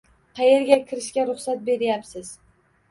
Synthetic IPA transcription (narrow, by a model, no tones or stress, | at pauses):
qʰɑjeɾɡʲakʲʰɪɾɪʃkʲaɾʊχsat̪̚be̞ɾɪjapsɪz̥